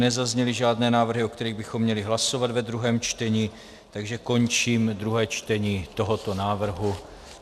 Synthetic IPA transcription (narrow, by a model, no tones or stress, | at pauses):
nɛzazɲɛlɪʒaːdnɛːnaːvr̩ɦɪokt̪ɛɾiːɣbɪxo̞mːɲɛlɪɦlaso̞vad̪vɛd̪ɾuɦɛːmt͡ʃt̪ɛɲiː | t̪aɡʒɛko̞ɲt͡ʃiːmd̪ɾuɦɛːt͡ʃt̪ɛɲiːt̪o̞ɦo̞t̪o̞naːvr̩ɦu